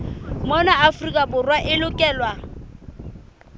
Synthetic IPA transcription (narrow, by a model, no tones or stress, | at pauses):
mɔnaʔafʊrikʼabʊrwaʔɪlʊkʼɛːlwa